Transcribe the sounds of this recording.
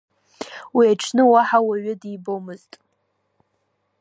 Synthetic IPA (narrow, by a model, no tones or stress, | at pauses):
wiaʈ͡ʂʷʰnɨwaħawaɥɪdibomɨztʼ